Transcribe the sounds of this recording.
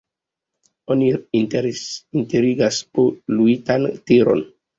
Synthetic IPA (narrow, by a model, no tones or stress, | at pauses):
oni | inteɾiɡaspoluitantiɾo̞̰n